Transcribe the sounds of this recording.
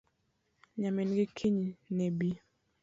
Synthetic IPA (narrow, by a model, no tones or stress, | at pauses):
ɲamɪnɡɪkʰiɲinɛbi